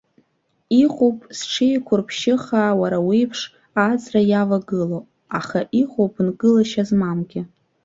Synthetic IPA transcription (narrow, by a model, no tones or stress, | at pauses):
iχʷopʼsʈ͡ʂʰijkʷʰʊrpʰʃɪχaːwaɾawijpʰʂ | ad͡zrajavaɡɨlo | aχaʔiχʷopʰʼnɡɨlaʃazmamɡʲɪ